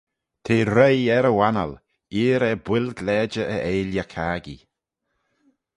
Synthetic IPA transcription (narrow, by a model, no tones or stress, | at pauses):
t̪ʰeːɾejɛɾəwanə̰l | iːɾɛbwɪlɡlɛːd͡ʒəʔəʔeːljakʰaːɡḭ